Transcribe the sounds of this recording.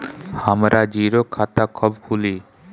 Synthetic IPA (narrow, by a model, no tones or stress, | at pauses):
hamɾʔad͡ʑiɾokʰːat̪akʰɔbkʰuli